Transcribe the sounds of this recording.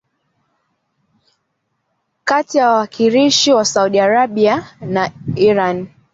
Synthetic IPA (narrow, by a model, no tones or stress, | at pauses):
katijawawakʰiɾiʃiwasauɗiaɾaɓianaiɾan